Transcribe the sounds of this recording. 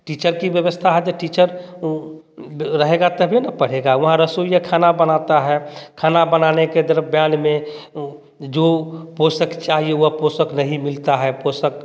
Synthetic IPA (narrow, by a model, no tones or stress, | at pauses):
ʈit͡ʃəɾkibjəʋəst̪ʰaɦɛd͡ʒeʈit͡ʃəɾ | ɾəɦeɡat̪əbʱinəpəɽ̤eɡaʋɐɦãɾəsoijakʰanabənat̪aɦɛkʰaːnabənaneked̪əɾbjanmẽ | d͡ʒoposəkt͡ʃaɦieuɦaposəknəɦĩmɪlt̪aɦɛposək